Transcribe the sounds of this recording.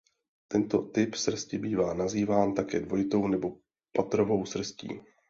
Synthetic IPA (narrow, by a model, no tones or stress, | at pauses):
t̪ɛnt̪o̞t̪ɪpsr̩scɪbiːvaːnaziːvaːnt̪akɛ̰ːdvo̞jɪt̪o̞wnɛbo̞ | pat̪ɾo̞vo̞wsr̩scḭː